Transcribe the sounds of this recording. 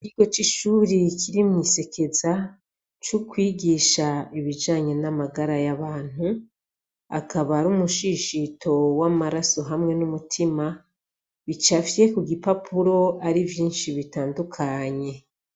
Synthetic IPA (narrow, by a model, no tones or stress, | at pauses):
kiɡ̥o̞t͡ʃiʃuːɾikʰiɾimŋiːse̞kʰe̞za | t͡ʃukwiːɡiːʃaiβid͡ʒaːɲe̞namaɡaɾajaβaːn̥u | a̰kaβaɾumuʃiʃitʰo̞wamaɾaso̞ɦamŋe̞numutʰima | βit͡ʃafje̞kuɡipapʰuɾo̞aɾivjiːnʃiβitaːndukʰaɲe̞